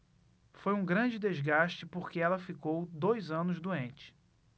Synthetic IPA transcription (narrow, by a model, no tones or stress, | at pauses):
fojũɡɾɐ̃d͡ʒɪd̪ezɡaʃt͡ʃɪpoɾkɪɛlɐfikowd̪ojzɐ̃nʊzd̪uẽnt͡ʃɪ̥